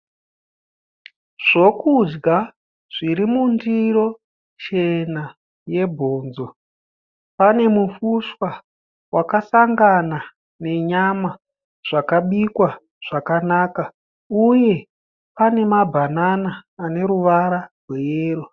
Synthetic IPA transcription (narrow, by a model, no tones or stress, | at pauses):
ʐ̥o̞kud͡ʒɡa | ʐ̥iɾimundiro̞ | t͡ʃe̞na | je̞bʱo̞ːnzo̞ | pane̞mufuʂwa | wakasaŋɡana | ne̞ɲama | ʐ̥akaɓikwa | ʐ̥akanaːka | uje̞ | pane̞mabʱananaːne̞ɾuʋaɾarwejeːɾo